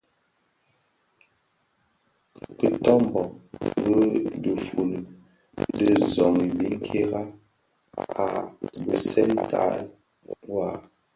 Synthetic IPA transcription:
kə˨tɔ˦m˨bɔ˨ŋɣə˦də˨fu˨l | də˦zɔ˨ŋi˨bi˦ŋ̩˦kʰe˦ɣa˦ | a˨bə˨sɛ˦ltʰa̰˦˨˦ | wa˨

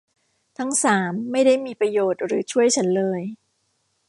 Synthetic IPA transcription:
t̪ʰa˦˥ŋsaː˩˦mːa˥˩jda˥˩jmiː˧pɾa˧joː˨˩t̪̚ɾɯː˩˦t͡ɕʰu˥˩əjt͡ɕʰa˦˥nlɤː˧j

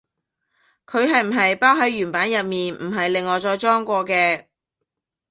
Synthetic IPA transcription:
kʰɵ˨˧ɥɦɐ˨jm̩˨˩ɦɐ˨jpaː˥wɦɐ˨˥jɥyː˨˩npaː˨˥njɐ˨t̚miː˨nm̩˨˩ɦɐ˨jlɪ˨ŋːɔː˨˩t͡ʃɔː˧jt͡ʃɔː˥ŋkʷɔː˧kɛː˧

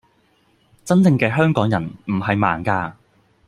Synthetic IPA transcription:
t͡sɐ˥nt͡sɪ˧ŋkɛː˧ɦœː˥ŋkɔː˨˥ŋjɐ˨˩nm̩˨˩ɦɐ˨jmaː˨˩nkaː˧

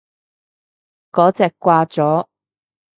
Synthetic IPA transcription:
kɔː˨˥t͡sɛː˨kːʷwaː˧t͡sɔː˨˥

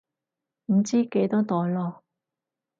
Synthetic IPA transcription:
m̩˨˩t͡siː˥ke˨˧jt̪ɔː˥t̪ɔː˨jlɔː˧

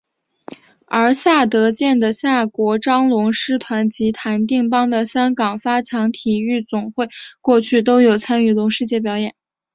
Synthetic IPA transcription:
ə˞˧˥ɕja˥˩t̪ɤ˧˥t͡ɕjɛ˥˩nd̪ə˩ɕja˥˩kwɔ˧˥ʈ͡ʂɑ˥ŋlʊ˧˥ŋʂɻ̩˥t̪ʰwa˧˥nt͡ɕi˧˥t̪ʰa˧˥nt̪̬i˥˩ŋpɑ˥ŋd̪ə˨ɕjɑ˥ŋkɑ˨˩ŋfa˥t͡ɕʰjɑ˧˥ŋt̪ʰi˨˩y˥˩t͡sʊ˨˩ŋxwe˥˩ɪkwɔ˥˧t͡ɕʰy˥˩t̪̬o˥ʊjo˨˩ʊt͡sʰa˥ny˥˩lʊ˧˥ŋʂɻ̩˥˧t͡ɕjɛ˥˩pjɑ˧˥ʊjɛ˨˩˦n

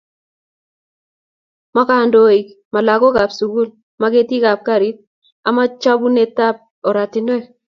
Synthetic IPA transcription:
ma˦ka˨ndo˨i˨k | ma˨la˨ko˦ɡa˨psu˨ɡu˦l | ma˦ke˦ti˦ɡa˨p̚ka˦˨ɾi˦t̚ | a˨ma˦t͡ʃa˦bu˦ne˦ta˦p̚ | o˨ɾa˨tɪ˨ne˦˨

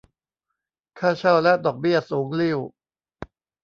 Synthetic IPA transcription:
kʰaː˥˩t͡ɕʰa˥˩wlɛ˦˥ʔd̪ɔː˨˩k̚bi˥˩ɐsuː˩˦ŋli˥˩w

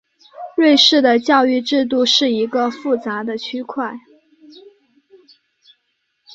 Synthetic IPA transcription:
ɻwe˥˧ɪʂɻ̩˥˩d̪ə˩t͡ɕjɑ˥˧ʊy˥˧ʈ͡ʂɻ̩˥˧t̪̬u˥˧ʂɻ̩˥˩i˧˥ɡə˧fu˥˩t͡sa˧˥d̪ə˧t͡ɕʰy˥kʰwa˥˩ɪ

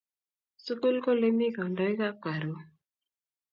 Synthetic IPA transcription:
su˦ko˦lko˦le˦mi˦ka˨o˨nda˨˦i˦ka˦ka˨ɾo˨˦

